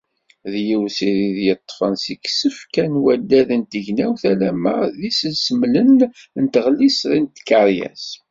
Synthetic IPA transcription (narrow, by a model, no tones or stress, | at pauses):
ðjiwsiðiðjət̪ˤːfənsiksəfkænwæd̪ːæðənt̪əʝnæwθælæmæðisəlsəmlən | nt̪əʁlisðint̪kɑɾjæ̰s